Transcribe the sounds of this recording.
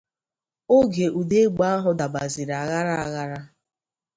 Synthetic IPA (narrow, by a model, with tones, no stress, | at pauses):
o˦ɡe˨ʔu˨de˦ɡ͡ba˦a˦ɦʊ˨da˨ba˨zɪ˨ɾa˨ɣa˦ɾa˦˨a˨ɣa˦ɾa˦